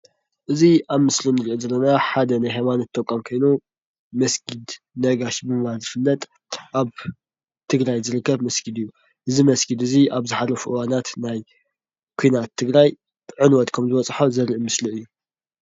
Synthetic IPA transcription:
ʔɨziʔaβmɨslinɨɾiʔozɐlːɐnaħad̪ɐnajɦajmanɐt̪ʰːɐkʼːamkʰɐjnu | mɐsɡid̪ | nɐɡaʃbɨmɐβazɨfɨlːɐt̪ʼ | ʔaβ | t̪ʰɨɡɾajzɨɾɨkːɐβmɐsɡid̪ɨjːu | ʔɨzimɐsɡid̪ɨziaβzɨħalːɐfuʔɨwanat̪naj | kʰuijnat̪ʰːɨɡɾaj | ʕɨnwɔt̪kʰɐmzɨβɐt͡sʼħozɐɾimɨsliɨjːu

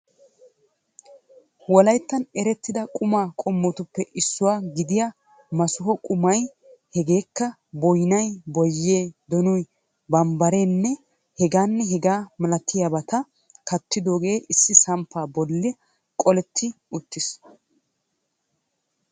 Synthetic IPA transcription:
wɔlɐjt̪ːɐnɛɾɛt̪ːɪd̪ɐkʼʊmaːkʼɔmːɔt̪ʊpːɛʔɪsːʊwaːɡɪd̪ɪja | mɐsʊɦɔkʼʊmɐj | hɛɡe̞ːkːɐ | bɔjnɐjbɔjːe̞ːd̪ɔnʊj | bɐmbɐɾeːnːɛ | hɛɡaːnːɛɦɛɡaːmɐlɐt̪ʰːɪjabɐt̪ɐ | kɐt̪ːɪd̪o̞ːɡe̞ːʔɪsːɪsɐmpːaːbɔlːɪ | kʼɔlɛt̪ʰːɪ | ʊt̪ːɪs

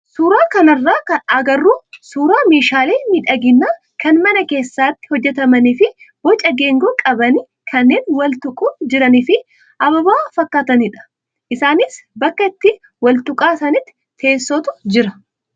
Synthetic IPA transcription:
suːɾaːkɐnɐrːaːkɐɐɡɐrːuːsuːɾaːme̞ːʃaːleːnɪᶑɐɡɪnːaː | kɐnmɐnɐke̞ːsːaːt̪ːɪ̥hɔd͡ʒːɛt̪ɐmɐniːfɪ | bɔt͡ʃʼɐɡe̞ːŋɡoːkʼɐbɐnɪ | kʰɐnːe̞ːnwɐlt̪ʊkʼuːd͡ʒɪɾɐniːfɪ | ʔɐbɐbaːfɐkːaːt̪ɐnɪᶑɐ̥ | ʔɪsaːnɪsbɐkːɐɪt̪ːɪ | wɐlt̪ʊkʼaːsɐnɪt̪ːɪ̥ | t̪ʰe̞ːsːɔt̪ʊd͡ʒɪɾɐ

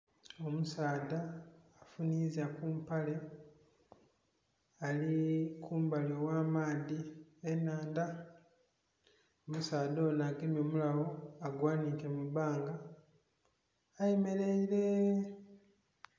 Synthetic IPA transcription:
o̞musaːdaː | funiːzakumpale̞ | alikʰuːmbalewaːmaːðienːaːnda | omusaːdoːnaːɡemjo̞ːmulawo̞aɡwaːnikemuβaːŋɡa | jeme̞leiɾe̞

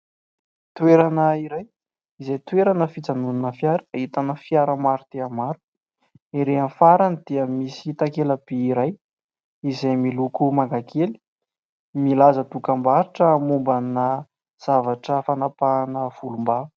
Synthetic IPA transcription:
t̪weɾanəiɾaj | izajt̪weɾanəfid͡zanunanəfjaɾəit̪anəfjaɾəmaɾut̪eamaɾu̥ | eɾeanfaɾanid̪̥eəmisit̪akeləb̥eːɾaj | izajmilukumaŋɡakʰeli̥ | milazət̪ukambaɾiʈ͡ʂəmumbanə | z̥avaʈ͡ʂəfanapanəv̥ulumba

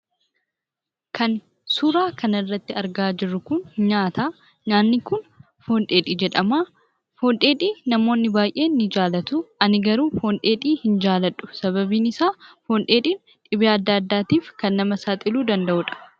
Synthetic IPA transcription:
kʰɐn | suːɾaːkʰɐnɪrːɐt̪ːɪɐɾɡaːd͡ʒɪrːʊkʊnɲaːt̪aː | ɲaːnːɪkʊn | fo̞ːnᶑe̞ːᶑiːd͡ʒɛᶑɐmaː | fo̞ːnᶑe̞ːᶑiːnɐmo̞ːnːɪbaːjʔe̞ːnːɪd͡ʒaːlɐt̪ʊɐnɪɡɐɾuːfo̞ːnᶑe̞ːᶑiːhɪnd͡ʒaːlɐᶑʊ̥sɐβɐbiːnɪsaːfoːnᶑe̞ːᶑiːn | ᶑ̪ʼɪbɪaɐd̪ːɐːɐd̪ːaːt̪iːfkɐnːɐmɐsaːt̪ʼɪluːd̪ɐnd̪ɐʔʊᶑɐ̥

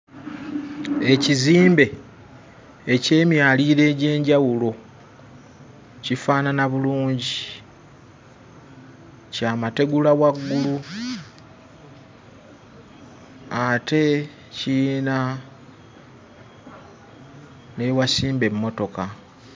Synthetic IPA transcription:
e̞ciziːmbe̞ | ce̞ːmjaːliːɾe̞ːɟe̞ːɲɟawulo̞ | cifaːnanaβuluːɲɟi | caːmate̞ɡulawaɡːulu | ate̞ | cina | ne̞wasiːmbe̞mːo̞to̞ka

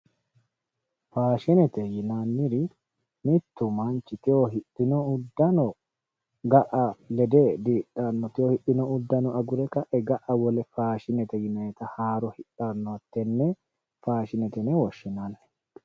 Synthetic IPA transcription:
faːʃɪnɛt̪ɛjɪnanːɪɾɪ | mɪt̪ːʊmɐnt͡ʃːɪt̪ɪoɦɪʔɪnɔʊd̪ːɐnɔ | ɡɐʔɐlɛd̪eːd̪iːᶑanːɔt̪ɪohɪʔːɪnɔʊd̪ːɐnɔʔɐɡʊɾɛkɐʔɛɡɐʔɐwɔlɛfaːʃɪnɛt̪ɛjɪnɐjɛt̪ɐhaːɾɔhɪᶑanːɔɐt̪ːɛnːɛ | faːʃɪnɛt̪ɛnɛwɔʃːɪnanːɛ̥

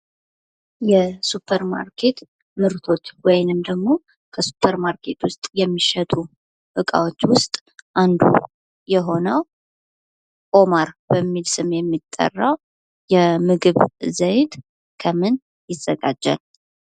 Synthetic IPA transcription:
jɛsupʰːəɾma̰ɾkʰe̞t̪ | mɨɾt̪ʰo̞t̪wɔjnɨmd̪əɡmo̞ | kʰəsu̥pʰːəɾmaɾkʰe̞t̪wʊst̪ʼjɛmːiʃɛt̪ʼu | ʔɨkʼa̰wo̞t͡ʃːwʊst̪ʼʔand̪ṵ | jɛɦo̞nəw | kʼomaɾb̥əmːilsɨmjɛmːit̪ʼːə̰rːaw | jɛmɨɡɨβzəjt̪ | kʰəmɨn | jɪz̥əɡad͡ʒːa̰l

